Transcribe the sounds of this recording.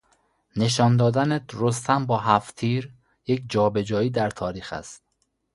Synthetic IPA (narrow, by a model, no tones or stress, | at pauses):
ne̞ʃɒːnd̪ɒːd̪ænet̪ɾost̪ʰæmbɒːɦæft̪ʰiːɾ | jekʰd͡ʒɒːbe̞d͡ʒɒːjiːd̪æɾt̪ʰɒːɾiːxæ̰st̪̚